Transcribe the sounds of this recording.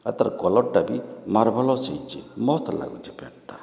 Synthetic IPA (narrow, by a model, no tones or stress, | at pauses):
at̪aɾkɔlɔʈ̚ɖabimaɾbʱɔlɔsejt͡ʃḭmɔst̪la̰ɡṵt͡ʃipɛʈt̪a